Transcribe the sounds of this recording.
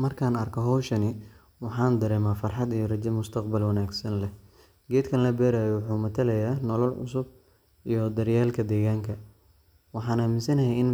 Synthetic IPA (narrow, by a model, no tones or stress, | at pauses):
mɐrkʰaːnɐrkʰɔɦɔwʃɐnɪ | wɑħɑːnd̪ɐɾɛːmaːfɑrħɑd̪ijɔrɐt͡ʃɐmːʊst̪ʰɐɑqbɐlwɐnaːɡsɐnlɛh | ɡɛːd̪kʰɐnlɐbɛːɾaːjɛwʊħuːmɐt̪ʰɐlɛjaːnɔlɐlʕʊ̰sʊb | ijɔd̪ɐɾjaːlkʰɐd̪ɛːɣaːŋkʰɐ | wɑħɑːnaːmɪsɐnɐɦɛjɪn